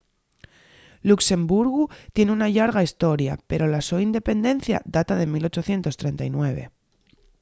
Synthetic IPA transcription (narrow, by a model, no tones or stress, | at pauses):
lukse̞mbuɾɣut̪je̞neunaʎaɾɣaist̪o̞ɾja̰pe̞ɾo̞lasoind̪e̞pe̞nd̪e̞n̟θja̰ðat̪aðe̞milo̞t͡ʃo̞θje̞nt̪o̞st̪ɾe̞nt̪ajnwe̞βe̞̰